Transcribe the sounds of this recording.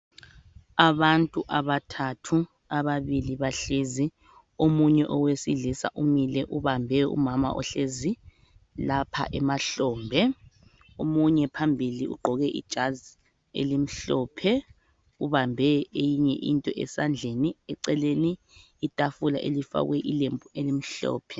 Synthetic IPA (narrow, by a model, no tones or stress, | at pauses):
aβantʼuʔaβatʰatʰu | aβaβiliβaɬezi | omuɲɛʔɔwesiɮisa̰ʔumilɛʔuβambʱɛṵmama̰ʔɔ̰ɬezi | lapʰa̰ʔɛmaɬɔːmbʱɛ | omuɲɛpʰambʱiliṵɡ͡ǃʱɔɣɛʔḭd̥ʒ̥ʱaz | ḛlim̩ɬɔːpʰɛ | uβambʱɛejiɲɛ̰ʔḭntʼɔʔɛ̰sand͡ɮʱeniɛǀɛleniː | tʼafula̰ʔelifa̰ɣwɛʔilembʱuelim̩ɬɔ̰ːpʰɛ